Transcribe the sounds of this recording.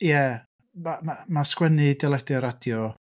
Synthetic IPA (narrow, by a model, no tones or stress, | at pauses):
jɛ | mamamaskwɛnidɛlˠɛd̥ɛɾad̥jɔ